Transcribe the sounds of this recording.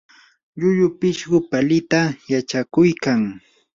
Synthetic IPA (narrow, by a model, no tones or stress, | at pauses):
ʎʊjʊpɪʃɢʊpalɪt̪ajat͡ʃakʊjkaŋ